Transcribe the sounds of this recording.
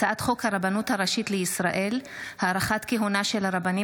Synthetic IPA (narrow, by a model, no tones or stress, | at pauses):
aʔat̪χo̞khaʁabanuthaʁaʃit̪leisʁaʔe̞lhaːɾaχatkeɦunaʃelhaʁabani